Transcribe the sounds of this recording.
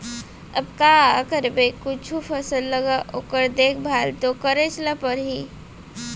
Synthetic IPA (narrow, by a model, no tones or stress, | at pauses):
əb̚kaːəkəɾbekʊt͡ʃʰupʰəsəlːəɡaʔoːkəɾd̪eːkʰbʱaːlt̪okəɾet͡ʃləpəɾɦi